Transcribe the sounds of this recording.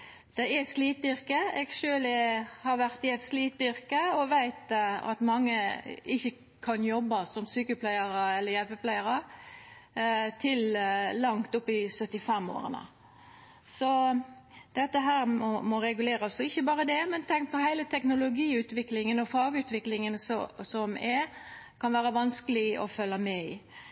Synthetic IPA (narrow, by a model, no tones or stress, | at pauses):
d̪̥ɛɛsliːt̪̚d̪ʏʁkəeːɡʃøːlɛhɑɾʋæʁt̪ɪɛt̪sliːt̪̚d̪ʏɾkəɔʋæɪt̪ɑ̰t̪mɑŋːəɪçːə | kʰɑnjɔbːɑsɔmsyːkəpʰlæɪəɾəɛlːəɾjɛlpəpʰlæɪəɾə | t̪ʰɪllɑŋt̪ʊpːɪsœt̪ːɪfɛmːo̰ːɾə̰nə̰ | sɔ | d̪̥ɛt̪ːəɦæːɾmɔmɔɾɛɡʉleːɾəsɔɪçːəbɑːɾəd̪ɛmɛnt̪ʰɛŋk̚pʰɔhæɪlət̪ʰɛknʊlʊɡiːʉːt̪ʋɪklɪŋənɔfɑːɡəʉːt̪ʋɪklɪŋənsɔsɔmɛɾkʰɑnʋæːɾəʋɑnskəlɪɔ̰fœlːəmɛɪ